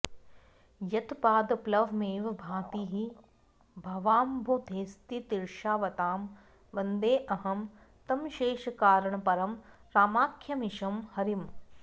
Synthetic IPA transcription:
jɐt̪paːd̪plɐʋmeːʋbʱaːt̪iɦi | bʱɐʋaːmbʱud̪ʱeːst̪it̪iɾʃaːʋɐt̪aːm | ʋɐnd̪eːʔɐɦɐm | t̪ɐmʃeːʃkaːɾɐɳɐpɐɾɐmɾaːmaːkʰjɐmiʃɐmhɐɾim

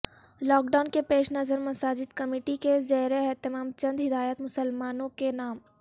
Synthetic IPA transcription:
lɔːk̚ɖaːʊnkepeːʃnɐzəɾmɐsaːd͡ʒɪd̪kɐmeːʈikezɛɦɾeɛɦt̪ɪmaːmt͡ʃɐ̃nd̪ɦɪd̪aːjət̪mʊsəlmaːnõkenaːm

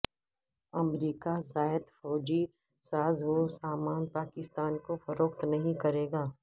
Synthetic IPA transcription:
ɐmɾiːkazaːəd̪fɔːd͡ʒi | saːzɦosaːmaːnpaːkɪst̪aːnkofɐɾoːkt̪nɐɦĩkɐɾeːɡaː

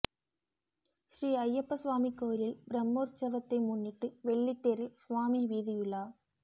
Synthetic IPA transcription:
ʃɾiːɐjːɐpːɐsʋaːmikːoːɾɪlbɾɐmːoːɾt͡ʃɐʋɐt̪ːɐɪmʊnːɪʈːɯʋɛɭːit̪ːeːɾɪlsʋaːmiʋiːðɪjɪɭːaː

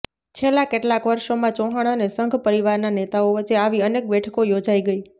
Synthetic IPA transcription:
t͡ʃʰelːãkeʈlakʋəɾʃomãt͡ʃɔɦaɽ̃anesəŋɡʱpəɾiʋaɾnanet̪aoʋət͡ʃeaʋiənek̚bɛʈʰəkojod͡ʒaiɡəi

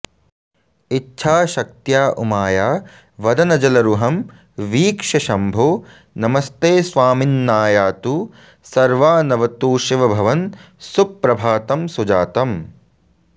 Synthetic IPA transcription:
itːʃʰaːʃɐk̚t̪jaːʔumaːjaː | ʋɐd̪ɐnɐd͡ʒɐlɐɾuɦɐm | ʋiːkʂɐʃɐmbʱoː | nɐmɐst̪eːsʋaːminːaːjaːt̪u | sɐɾʋaːnɐʋɐt̪uːʃiʋɐbʱɐʋɐn | supːɾɐbʱaːt̪ɐmsud͡ʒaːt̪ɐm

